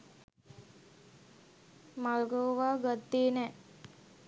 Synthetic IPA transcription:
malɡoʋaːɡat̪ːeːnɛ

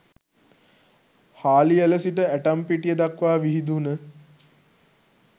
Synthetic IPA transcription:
haːlieləsiʈəæʈampiʈijəd̪akʋaːʋiɦid̪unə

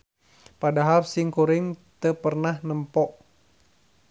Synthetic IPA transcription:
padaɦalsiŋkuɾɪŋt̪əpərnahnəmpɔʔ

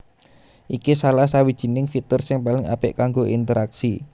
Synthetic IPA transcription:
ʔikisalahsawid̥ʒ̥i̤nɪŋfit̪ərsɪŋpalɪŋa̰pɪʔkaŋɡoʔint̪əɾaksi

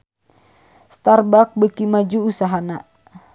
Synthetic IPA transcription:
st̪arbak̚bəkimad͡ʒuːsaɦana

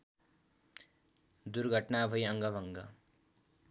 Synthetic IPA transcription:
d̪uɾɡʱʌʈnabʱʌjʌŋɡʌbʱʌŋɡʌ

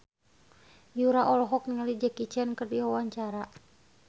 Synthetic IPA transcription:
juɾaʔɔlɔɦɔk̚niŋalid͡ʒakit͡ʃankɨrdiwawaɲt͡ʃaɾa

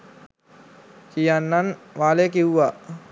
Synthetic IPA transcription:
kijanːanʋaːlekiwʋa

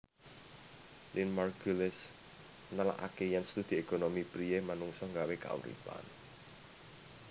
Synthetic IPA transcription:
linmarɡulɛs | nəla̰ʔa̰kejanst̪ud̪̥i̤ekonomipɾijemanuŋsɔŋɡaweka̰ṵɾḭpa̰n

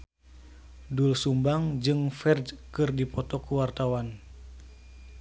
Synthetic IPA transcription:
dulsumbaŋd͡ʒɨŋfɛrd͡ʒkɨrdipɔt̪ɔkuwart̪awan

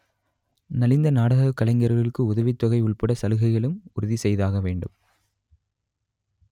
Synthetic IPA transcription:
nɐlɪnd̪ɐnaːɽɐɣɐkːɐlɐɪŋɡɐɾɣɐɭɪkːɯʊðɐʋɪt̪ːɔɣɐɪʊɭpɐɽɐsɐlɯɣɐɪɣɐɭɯmʊɾʊðisɛjðaːɣɐʋeːɳɖɯ̰m

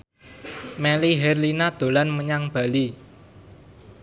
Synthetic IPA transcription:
meliɦɛrlinad̪̥o̤lanməɲaŋb̥a̤li

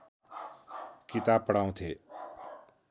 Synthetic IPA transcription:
kit̪aːb̚pːəɽaːũt̪ʰeː

